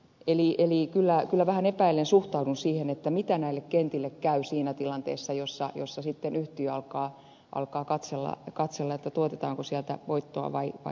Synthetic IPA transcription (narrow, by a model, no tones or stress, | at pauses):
eliʔelikylːækylːæʋæhænepæilːensuht̪ɑudunsiːhenet̪ːæmit̪ænæilːekkent̪ilːekkæysiːnæt̪ilɑnt̪ḛːsːɑjosːɑ̰jo̰sːɑsit̪ːenyht̪yːɑlkɑː | ʔɑ̰lkɑːkɑt̪selːɑ̰kɑt̪selːɑet̪ːæt̪uot̪et̪ɑːŋkosiælt̪æ̰ʋoit̪ːoɑ̰ʋɑiʋɑ̰i